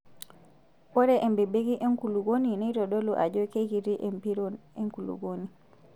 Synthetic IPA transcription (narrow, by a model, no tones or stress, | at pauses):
wɔɾɛʔɛmbɛbeɡiʔeŋkuluɡoninɛjtɔɗɔluʔa̰d͡ʒɔkeɡiɾiʔɛmpiɾɔnɛŋkulṵɡoni